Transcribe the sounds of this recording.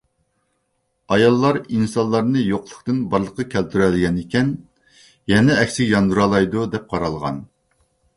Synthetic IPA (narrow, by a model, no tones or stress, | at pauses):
ɑjɑlˠːɑɾinsɑnlːˠɑɾnɨjoqlˠəχt̪ɨnbɑɾlˠəqːɑkʲʰælt̪ʰyɾɛlɪɡʲɛnekʲɛn | jɛnɛɛkʲsɪkʲjɑnd̪uɾɑlˠɑjd̪ud̪ɛp̚qʰɑɾɑlˠʁɑ̰n